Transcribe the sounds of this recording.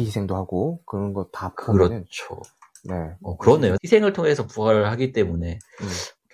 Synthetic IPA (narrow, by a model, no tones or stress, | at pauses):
isʰe̞ŋdohaɡokɯɾʌnɡʌtapkɯɾʌt͡ɕʰo̰ | ne̞ʌkɯɾʌne̞joisʰe̞ŋɯɭtʰoŋe̞sʰʌpuaɾɯɭhaɡit͈e̞mune̞